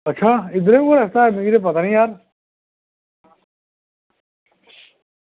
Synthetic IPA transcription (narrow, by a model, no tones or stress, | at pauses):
ɐtt͡ʃʰaid̪ɾeoɾɐst̪aːmiɡiɾep̬ɐt̪anĩjaːɾ